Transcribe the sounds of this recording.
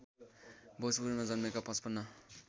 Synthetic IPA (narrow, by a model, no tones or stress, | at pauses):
bʱosbuɾmad͡zʌnmekapʌspʌnːʌ